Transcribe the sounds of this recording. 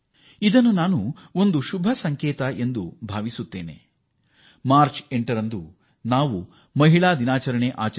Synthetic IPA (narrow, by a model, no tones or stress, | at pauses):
id̪ɐnːunaːnuond̪uʃubʱɐsɐŋkɛːt̪ɐʔe̞nd̪ubʱaːʋisut̪ːeːnḛ | maːɾt͡ʃeɳʈɐɾɐnd̪u | naːʋu | mɐɦiɭaːd̪inaːt͡ʃɐɾɐɳeʔaːt͡ʃɐ